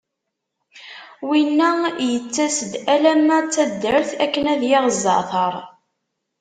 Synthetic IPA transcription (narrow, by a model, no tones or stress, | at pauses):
winːæjət͡sːæsəd̪ælæmæt͡sːæd̪ːəɾəθækːənæðjɪʁəzˤːɑ̰θəɾˤ